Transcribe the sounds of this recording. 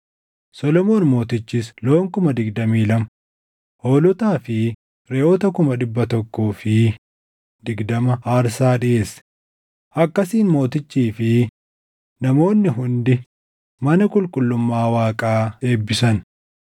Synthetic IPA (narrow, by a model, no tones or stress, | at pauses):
sɔlɔmo̞ːnmo̞ːt̪ɪt͡ʃːɪsloːŋkʊmɐd̪ɪɡd̪ɐmiːlɐm | ho̞ːlʊt̪aːfɪ | ɾeoːt̪ɐkʊmɐᶑɪbːɐt̪ɔkːuːfɪ | d̪ɪɡd̪ɐmɐaːɾsaːᶑɪʔe̞ːs | ʔɐkːɐsiːnmo̞ːt̪ɪt͡ʃːiːfɪ | nɐmo̞ːnːɪɦʊnd̪ɪ | mɐnɐkʼʊlkʼʊlːʊmːaːwaːkʼaːe̞ːbːɪsɐn